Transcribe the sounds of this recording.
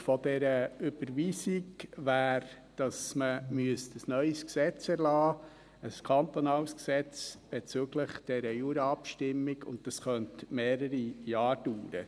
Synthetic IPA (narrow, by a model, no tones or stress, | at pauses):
fɔd̥ɛɾəʏb̥əɾʋiːsiɡʋæːɾ | d̥ɑsməmyəstəsnœʏsksɛt͡sɛɾlɑː | əskʰɑnt̪onɑːlsksɛt͡sb̥ɛt͡søɡləχd̥ɛɾəjuːɾəɑpʃtɪmːiɡʊ̰nt̚dɑsχœntmeːɾəɾijɑːɾd̥uːɾə̰